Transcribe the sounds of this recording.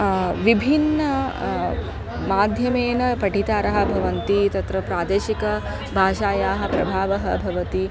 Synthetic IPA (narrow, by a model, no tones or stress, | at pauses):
ʋibʱinːɐ | maːd̪ʱjɐmeːnɐpɐʈit̪aːɾɐɦɐ̆bʱɐʋɐnt̪it̪ɐt̪ɾɐpɾaːd̪eːʃikɐ | bʱaːʃaːjaːɦɐ̆pɾɐbʱaːʋɐɦɐ̆bʱɐʋɐt̪i